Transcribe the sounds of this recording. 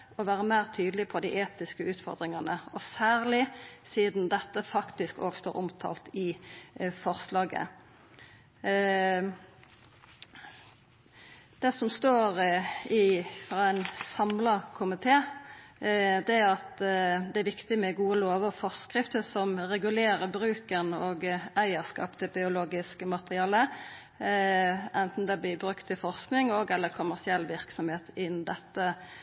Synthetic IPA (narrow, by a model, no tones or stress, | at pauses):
ɔʋæːɾəmæɪʁt̪ʰyːd̪l̩ɪpʰɔd̪iːʔeːt̪ɪskəʉːt̪fɔ̰ʁd̪ɾɪŋɑnəɔsæːʁlɪsiːd̪nd̪ɛt̪ːəfɑkt̪ɪsko̰ːɡst̪o̰ːɾʔʊmt̪ʰɑ̰ːlt̪ɪ | fɔʁslɑːɡə̰ | d̪̥ɛsɔmst̪oːʁɪfɾɑːæɪnsɑmlɑkʰʊmɪt̪ʰeː | d̪ɛæɑt̪d̪ɛæɾʋɪkt̪ɪmɛɡuːəloːʋɔfɔʁskʁɪft̪əsɔmʁɛɡʉleːɾəbɾʉːkənoːɡæɪəskɑ̰ːpt̪ɪlbɪʊloːɡɪskəmɑt̪əɾʁɪɑːlə | ʔɛnt̪n̩d̪ɛblɪbɾʉkt̪ʰːɪlfɔʁsknɪŋɔɡɛlːəkʰʊmæsɪɛlːʋɪɾksɔmheːt̪ɪnd̪ɛt̪ːə